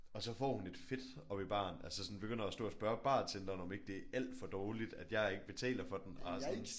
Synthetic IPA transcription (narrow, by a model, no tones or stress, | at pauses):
ɒ̽sɒ̽fɒ̰ːhune̝d̥fe̝d̥ | ɒ̽b̥ib̥ɑ̰̈ːnælsəsɒ̽nb̥eɡ̥øn̰ɐæsd̥o̰ːɐsb̥ɶɐb̥ɑ̰̈ːnsʰend̥ɐnɒ̽me̝ɡ̥̚d̥e̝æʔæl̰d̥fɒ̽d̥ɒːlid̥æd̥jɑ̈ɪe̝ɡ̥əb̥e̝t͡sʰɛ̰ːlɐfɒ̽d̥ensn